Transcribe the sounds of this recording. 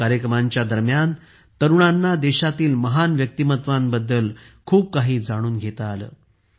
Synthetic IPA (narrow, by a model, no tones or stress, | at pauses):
aɾjəkɾəmaɲt͡ɕjad̪əɾmjan | t̪əɾuɳ̃anːad̪eɕat̪iːlməɦanʋjək̚t̪imət̪ʋanbəd̪ːəlkʰuːp̚kaɦiːd͡zaɽ̃uːnɡʱet̪əːlə̰ː